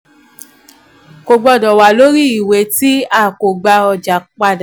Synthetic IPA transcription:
ko˧ɡ͡bɔ˧˨dɔ˨wa˨lo˦ɾi˦˨i˨we˨˦ti˦a˦˨ko˨ɡ͡ba˧ɔ˧d͡ʒa˨˦k͡pa˧dã˨

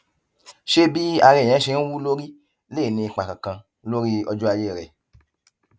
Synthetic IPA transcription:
ʃe˦bi˦a˧ɾɛ̃˧˨ɛ̃˨˦ʃe˧n̩˦wu˦lo˦ɾi˦ | le˦˨nĩ˧i˧k͡pa˨kã˨kã˧ | lo˦ɾi˦ɔ˧d͡ʒu˦a˧je˦˨ɾɛ̰˨

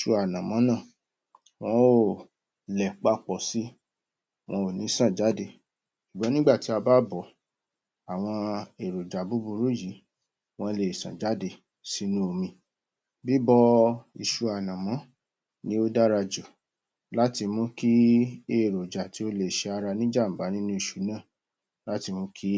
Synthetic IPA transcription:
ʃu˧a˨nã˨mɔ̃˨˦nã˦˨ | w̃ɔ̃˦o˦˨ | lɛ˨k͡pa˦k͡pɔ˨si˦ | w̃ɔ̃˧o˨nĩ˨˦sã˦˨d͡ʒa˨˦de˧˨ | ʃu˨ɡ͡bɔ˨˦nĩ˦ɡ͡ba˦˨ti˨˦a˧ba˦bɔ˨ | a˨w̃ɔ̃˧e˨ɾo˨d͡ʒa˨bu˨˦bu˧ɾu˨˦ji˨˦ | w̃ɔ̃˧le˨sã̰˨d͡ʒa˨˦de˧˨ | si˧˦nũ˦o˧mĩ˧ | bi˦bɔ˦i˧ʃu˧a˨nã˨mɔ̃˨˦ | nĩ˦o˦da˦ɾa˧d͡ʒo˨ | la˦ti˧mũ˦ki˦e˦˨ɾo˨d͡ʒa˨ti˨˦o˦le˨ʃɛ˧a˧ɾa˧nĩ˦d͡ʒa˦˨m̩˨ɡ͡ba˨˦nĩ˦nũ˦i˨ʃu̥˨˦nãː˦˨ | la˦ti˧mũ˦kʰi˦

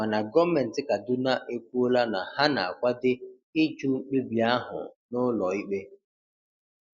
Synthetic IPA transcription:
ma˨na˨ɡɔ˦mɛ˨n̩˨tɪ˦ka˨dʊ˦na˦ʔe˦kʷu˦o˦la˦na˨ha˦na̰˨a̰˨kʷa˦dɪ˦ | ɪ˦t͡ʃu˦k͡pe˦bi˨a˦ɦʊ̰˨nʊ˦lɔ˨i˦k͡pe˦

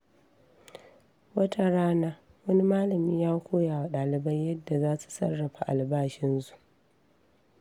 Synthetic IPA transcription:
wɐ˦tʰa˦ɽaː˦naː˦ | wɐ˦ni˦maː˦lɐ˨miː˦jaː˦kʷoː˦jaː˨wa˨ɗaː˨lɪ˨bɐ˦jjɐ˦dːa˨zaː˦su̥˨sɐ̰˦rːɐ˨ɸa˨ʔa˨lbaː˦ʃɪ˦nzu˦ʔ

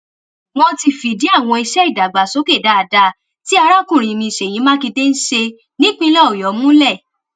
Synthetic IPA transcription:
wɔ̃˧ti˧fi˨di˨˦a˦˨w̃ɔ̃˧i˧ʃɛ˦i˦˨da˨ɡ͡ba˨so˨˦ke˦˨da˧˦a˧da˧ | ti˦a˧ɾa˦kũ˦˨ɾ̃ĩ˨mĩ˧i˨ʃe˨j̃ĩ˨˦mãː˦ki˧te˦n̩˦ʃe˧ | nĩ˦k͡pĩ˧˦lɔ˦˨o˨jɔ˨˦mũ˦lɛ˦˨

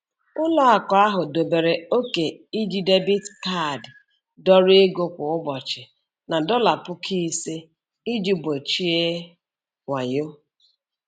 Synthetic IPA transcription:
ʊ˦lɔ˦a˨kɔ˨a˦ɦʊ˨do˨be˨ɾe˨o˦ke˨i˦d͡ʒi˦de˦bi˦tka˦˨d | dɔ˦ɾi˦e˦ɡo˦kʷʊ˨ʊ˦bɔ˨t͡ʃɪ˨ | na˨dɔ˦la˨pʊ˦kʰi˦se˦ | i˦d͡ʒi˦be˨t͡ʃi˦e˦ | ŋʷa˨ɲo˦

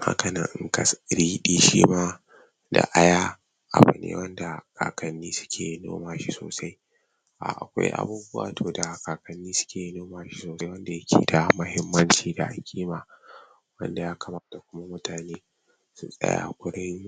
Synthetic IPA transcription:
ma̰˦kɐ˨nɐ˨ŋʔŋkɐ˨sɽiː˦ɗiː˦ʃḭː˦maː˦ | da̰˨ʔa˦jaː˦ | ʔa˨bʊ̰˨nḛː˦wɐ˦nda˨ka̰ː˨kɐ˨nːiː˦sʊ̥˦kʲʰeː˨no̰ː˦maː˨ʃi˦soː˨sa˦j | ʔa̰˨ʔa̰˨kʷa̰˦jʔa̰˦buː˦bʊ˦wa̰ː˨tʰoː˨da˨kaː˨kɐ˨nːiː˦sʊ̥˦kʲʰeː˨noː˦maː˨ʃi˦soː˨˦jwɐ˦nda˨jɐ˦kʲʰḭː˦˨da˨mɐ˦hɪ˦mːɐ˦nt͡ʃiː˨da̰˨ʔa˨kʲʰiː˦maː˨ | wɐ̰˦nda˨jaː˦kʰɐ˨maː˦ta˨kʷʊ˦ma˦mʊ˦taː˨neː˦ | sʊ˦sʼɐ̰˦ja̰ː˨kʷʊ˦ɽɪ˦ŋ

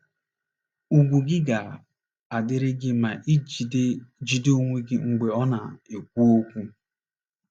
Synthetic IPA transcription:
u˨ɡʷu˨ɡɪ˦ɡa˨ | a˨dɪ˦ɾɪ˦ɡɪ˦ma˨ʔi˦ | d͡ʒi˨do˦o˦ŋʷe˦ɡɪ˦ŋ͡m̩˨ɡ͡be˨ɔ˦na˨e˨k̚ʷu˦o˦kʷu˦

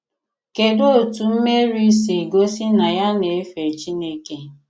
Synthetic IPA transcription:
ke˨do˦o˨tu˨m̩˦me˦ɾi˦si˨ɡo˦si˦na˨ja˦ne˨e˦fe˨t͡ʃi˦ne˦ke˦

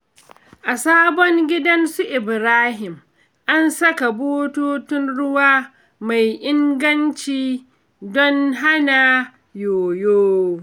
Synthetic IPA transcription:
ʔa˨saː˦bɔ˦ŋɡʲɪ˦dɐ˦nsu˦ʔɪ˨bɾaː˦ɦɪ˨m | ʔa˦nsɐ˦ka˨boː˦toː˦tʊ˦nɽʊ˦waː˦ | ma˨jʔɪ˦ŋɡɐ˦nt͡ʃiː˦˨ | dɔ˦nɦa˦naː˨ | joː˨joː˦

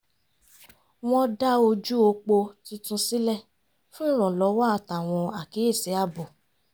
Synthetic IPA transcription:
w̃ɔ̃˧da˦o˧d͡ʒu˦o˧k͡po˧ti˧˦tũ˧si˦lɛ˦˨ | fũ˦i˦˨ɾ̃ɔ̃˨lɔ˨˧˦wa˦a˧˨ta˨w̃ɔ̃˧a˨ke˨˦e˦˨se˨˦a˦˨bɔ˨

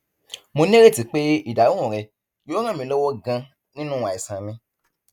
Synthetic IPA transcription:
mo˧nĩ˦ɾe˦˨ti˨˧k͡pe˦i˦˨da˨˦ũ˦˨ɾɛ˧ | joː˦ɾ̃ã˦˨mĩ˧˦lɔ˦wɔ˦ɡã˧ | nĩ˦nũ˦a˨i˨sã˨mĩ˧

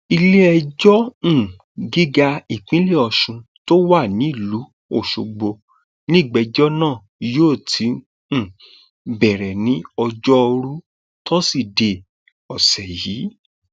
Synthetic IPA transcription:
i˧le˦ɛ˧d͡ʒɔ̃˦˨ | ɡi˦ɡa˧i˨k͡pĩ˨˦le˦˨ɔ˧˨ʃũ˧ | to˦wa˦˨nĩ˨˦i˦˨lu˨˦ | o˦˨ʃo˨ɡ͡bo˧ | nĩ˦˨ɡ͡bɛ˨˧d͡ʒɔ˦nãː˦˨ | joː˦˨tʰĩ˨˦˨ | bɛ˨ɾɛ˨nĩ˨˦ɔ˧d͡ʒɔ˦ɔ˧ɾu˦ | tɔ˦si˦˨de˨ | ɔ˨sɛ˨jiː˨˦

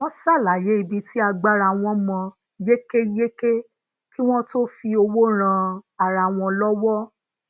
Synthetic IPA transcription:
w̃ɔ̃˦sa˦˨la˨je˨˦i˧bi˧ti˦a˧ɡ͡ba˦ɾa˧˨w̃ɔ̃˧mɔ̃˧ | je˦ke˦je˦ke˦ | ki˦w̃ɔ̃˦to˦fi˧o˧wo˦ɾ̃ã˧a˨ɾa˧˨w̃ɔ̃˧lɔ˦wɔ˦

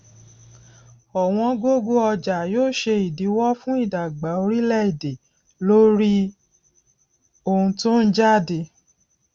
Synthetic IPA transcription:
ɔ˨w̃ɔ̃˧ɡo˦ɡo˦ɔ˧d͡ʒa˨joː˦˨ʃe˧i˨di˨˦wɔ˦fũ˦i˦˨da˨ɡ͡ba˨˦o˧ɾi˦lɛ˦˨i˨de˨ | lo˦ɾi˦ | o˧˨ũ˧tu˦n̩˦d͡ʒa˦˨de˧

